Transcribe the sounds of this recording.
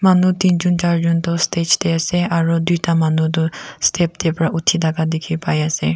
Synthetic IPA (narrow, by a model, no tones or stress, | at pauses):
manut̪ind͡ʒund͡ʒaɾɾunt̪ɔst̪ʰet͡ʃʰd̪easeʔaɾud̪it̪amanud̪ust̪ʰep̚t̪epɾaʔut̪ʰid̪aɡad̪ekʰipajase